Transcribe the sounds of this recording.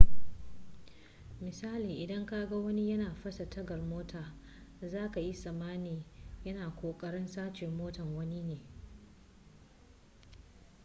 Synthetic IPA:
mɪ˨saː˦liː˨ʔɪ˨dɐ˦ŋkaː˦ɡa˦wɐ˦ni˦jɐ˦naː˨ɸɐ˦sa˨tɐ˦ɡɐ˨rmoː˦tʰaː˨ | zaː˦ka˨ji˦sʼɐ˨maː˦neː˨jɐ˦naː˨kʷoː˨kʼɐ˦ɽɪ˦nsaː˦t͡ʃɪ˨mːoː˦tɐ˨ŋwɐ˦ni˦neː˨

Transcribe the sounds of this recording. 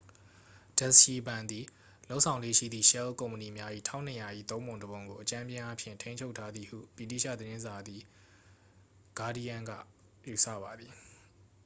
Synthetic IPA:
d̥ɛ˦˨sʃi˨bã˨nd̪i˨ | lo˦ʔsʰã˨ʊ̃lḛ˦˨ʃḭ˦˨d̪ðḭ˦˨ʃɛ˦lkõ˨ʊ̃məni˨mja˦ʔḭ˦˨tʰã˦˨ʊ̃nə˨ja˨ʔḭ˦˨t̪õ˦ʊ̃mõ˨ndəbõ˨ʊŋɡo˨ʔət͡ɕã˦mjɪ̃˦ʔa˦pʰjɪ̰̃˦˨ntʰẽ˦ɪ̃ɲt͡ɕʰo˦ʊtʰːa˦d̪ði˨hṵ˦˨b̥i˨tḭ˦˨ʃä̰˦˨d̪əɾɪ̃˦nza˨d̪ði˨ | ɡ̥a˦di˦jã˦˨ŋɡä̰˦˨ | ju˨sä̰˦˨ba˨d̪i˨

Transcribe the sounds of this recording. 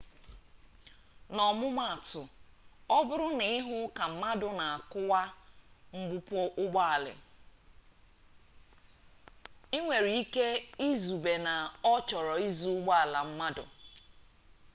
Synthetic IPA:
nɔ˨mʊ˦ma˨a˨tʊ˨ɔ˦bʊ˦ɾʊ˦nɪ˨˦ɪ˦ɦʊ˦ka˨m̩˦ma˦dʊ˨˦na˨a˨kʊ˦wa˦m̩˦ɡ͡bʊ˦pɔ˦ʔʊ˦ɡ͡ba˦a˨lɪ̰˨ | i˦ŋʷe˨ɾi˨i˦ke˦i˦zu˨be˨na˨ɔ˦t͡ʃɔ˨ɾɔ˨i˦zu˦ʊ˦ɡ͡ba˦a˨la˨m̩˦ma˦dʊ̰˨

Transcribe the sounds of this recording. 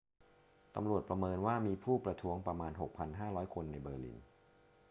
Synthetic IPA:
t̪a̰˧mɾu˨˩ət̪̚pɾa˧mɤː˧nwaː˥˩miː˧pʰuː˥˩pɾa˧t̪ʰu˦˥əŋpɾa˧maː˧nɦo˨˩k̚pʰa˧nɦaː˥˩ɾɔː˦˥jkʰo˧nːa˧jbɤː˧lḭ˦˥n

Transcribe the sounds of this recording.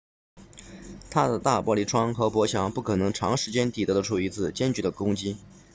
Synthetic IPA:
t̪ʰa˥d̪ə˨t̪a˥˩pwɔ˥˧li˥˩ʈ͡ʂʰwɑ˥ŋxɤ˧˥pwɔ˧˥ɕʰjɑ˧˩ŋpu˥˩kʰɤ˨˩nɤ˧˥ŋʈ͡ʂʰɑ˧˥ŋʂɻ̩˧˥t͡ɕjɛ˥nt̪i˨˩t̪ɤ˧˥d̪ə˧ʈ͡ʂʰu˥˩i˧˥t͡sɹ̩˥˩t͡ɕjɛ˥nt͡ɕy˧˥d̪ə˧kʊ˥ŋt͡ɕi˥

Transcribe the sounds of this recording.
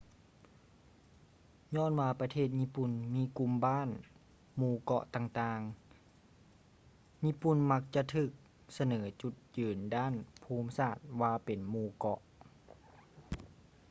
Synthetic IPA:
ɲɔː˧˥˨nwaː˧pa˧t̪ʰeː˥˩t̪̚ɲiː˧˥pu˧˩nmiː˧˥˨ku˧mbaː˥˨n | muː˧˩kɔ̰˧ʔt̪aː˧ŋt̪aː˧ŋ | ɲiː˧˥˨pu˧˩nma˧˥k̚t͡ɕa˧˨ʔt̪ʰɯː˧˩k̚ | sa˧nɤː˩˦t͡ɕu˧˩t̪̚jɯː˨˩ndaː˥˨npʰuː˧˥msaː˧˩t̪̚waː˧pe˨nmuː˧kɔ˧˦ʔ

